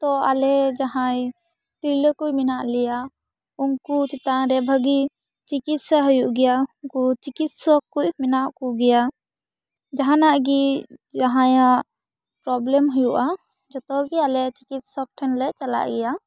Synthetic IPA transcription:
t̪ɔalɛd͡ʒaɦãj | t̪iɾləkujminaʔlɛja | uŋkut͡ʃit̪aɾɛbʱəɡi | t͡ʃikit̪̚sɛɦɔjuʔɡɛjauŋkut͡ʃikit̪sɔkujminaʔkuɡɛja | d͡ʒaɦanaʔɡid͡ʒaɦãjaʔ | pɾɔblɛmɦujuʔa | d͡ʒɔt̪ɔɡialɛt͡ʃikit̪̚sɔk̚ʈʰɛnlɛt͡ʃala̰ʔɡɛja

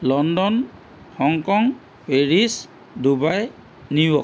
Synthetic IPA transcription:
lɔndɔn | hɔŋkɔŋ | peɹis | dubaj | niwɔk

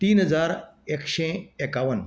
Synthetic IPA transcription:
t̪iːnɦəd͡zaːɾekʃeekaʋən

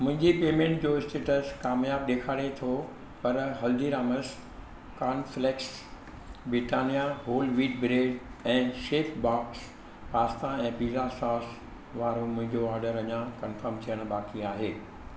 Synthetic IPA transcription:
mʊ̃ɦɪ̃ɲd͡ʑipeːmẽːɳʈd͡ʑoːɪsʈeːʈəskaːmjaːbɗ̪eːkʰaːɽet̪ʰo | pɐɾɦɐld̪iɾaːməs | kaːnfleks | bɾɪʈaːnijaɦoːlʋiːɖbɾeːɖɛ̃ːʃeːpbaːks | paːst̪ãɛ̃ːpiːzasaːs | ʋaːɾomʊ̃ɦɪ̃ɲd͡ʑoɔːɾɖəɾɐɲãkɐnfəɾmt̪ʰijəɽ̃ɓaːkiaːɦeː

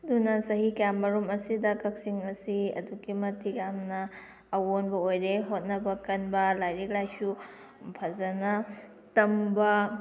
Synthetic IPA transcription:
ɐdunɐsɐɦikjamːɐɾumɐsidɐkɐk̚siŋɐsiɐ̰duɡimɐtʰijamnɐː | wonbɐojɾeɦot̚nɐbɐkɐnbɐlajɾik̚lajsu | pʰɐzɐnɐ | tɐmbɐ

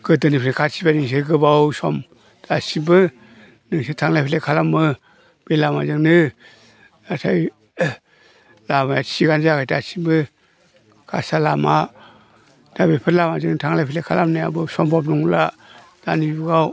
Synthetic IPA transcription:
ɡ̥ɯtɯnipʰlekʰasʰibaniŋs̬eɡɯbawsɔm | d̥asibɯ | nɯŋsetʰaŋlajpʰilekʰalamːɯ | b̥elamazɯŋnɯ | atʰaj | lamajasiɡanzakʰajtasibɯ | kʰa̰salama | d̥abepʰɯɾlamazɯŋntʰaŋlajpʰilekʰalamnaja̰bɯsɔmbɔpnuŋla | d̥anibuɡaw

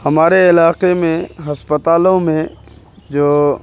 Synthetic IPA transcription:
hɐmaːɾeɪlaːqemẽɦɐspət̪aːlõmẽ | d͡ʒoː

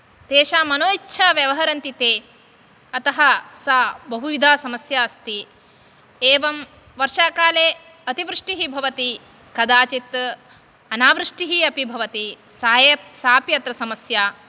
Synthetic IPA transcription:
t̪eːʃaːmɐnoːitːʃʰaːʋjɐʋɐɦɐɾɐnt̪it̪eː | ɐt̪ɐɦɐsaːbɐɦujid̪ʱaːsɐmɐsjaːɐst̪i | eːʋɐm | ʋɐɾʃaːkaːleː | ɐt̪iʋɾɨʂʈiɦibʱɐʋɐt̪i | kɐd̪aːt͡ʃit̪ | ɐnaːʋɾɨʂʈiɦiɐpibʱɐʋɐt̪isaːjesaːpjɐt̪ɾɐsɐmɐsjaː

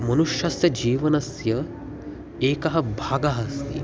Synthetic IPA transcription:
mɐnuʃjɐsjɐd͡ʒiːʋɐnɐsjɐ | eːkɐɦɐ̆bʱaːɡɐɦɐst̪ʰḭ

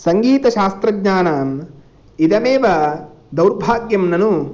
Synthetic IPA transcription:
sɐŋɡiːt̪ɐʃaːst̪ɾɐɡɲaːnaːm | id̪ɐmeːʋɐ | d̪ɐwɾbʱaːɡjɐmnɐnu

